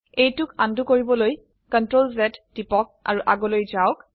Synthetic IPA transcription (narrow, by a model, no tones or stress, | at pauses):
ejtʊkandukoɹibɔloj | kɔntɹolzɛtdipɔk̚a̰ɹuʔaɡɔlojzaʊk